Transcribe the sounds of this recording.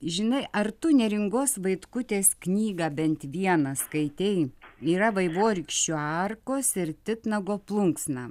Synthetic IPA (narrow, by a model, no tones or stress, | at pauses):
ʒʲɪnɐɪʔɐɾt̪ʊnʲɛɾʲɪŋɡoːsʋɐɪt̪kʊt̪ʲeːsknʲiːɡɑːbʲɛnt̪ʋʲiɛnɐskɐɪt̪ʲɛɪiːɾɐʋɐɪʋoːɾʲɪkʃʲt͡ʃʲuɑːrkoːsɪɾt̪ʲɪt̪nɐɡoːplˠʊŋksnɑː